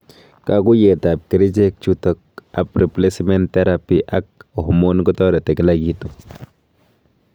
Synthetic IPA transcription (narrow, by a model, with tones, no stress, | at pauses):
kaku˦je˨t̪aː˨p̚ki˨ɾi˦d͡ʒe˦k̚t͡ʃutɔk̚a˨pɾi˨ple˦sme˦nt̪ːe˦ɾapiʔa˦k̚o˨hmo˦nkɔ˦t̪ɔ˦ɾa˨t̪e˨klaɡi˦t̪o